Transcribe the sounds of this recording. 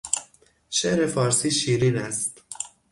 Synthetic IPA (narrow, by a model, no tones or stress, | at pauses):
ʃeʔɾe̞fɒːɾsiːʃiːɾiːnæst̪